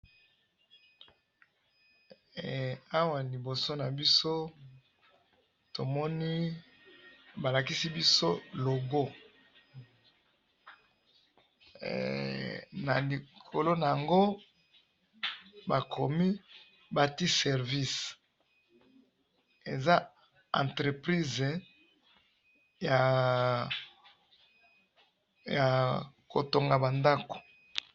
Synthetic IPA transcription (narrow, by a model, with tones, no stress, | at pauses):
a˦wa˨li˨bo˨so˦na˨bi˦so˦ | to˨mɔ˦ni˦ | ba˨la˨ki˦si˦bi˦so˦lo˨ɡo˦ | na̰˨li˨kʰo˨lo˦na˨ja˨ŋɡo˦ | ba˨kʰo˨mi˦ | ba˨ti˦sɛ˨ʁvi˦s | e˨za˦ | ã̰˨ntʁe˨pʁi˦z | ja˨ | ja˨ko˨to˨ŋɡa˨ba˨nda˦ko̥˨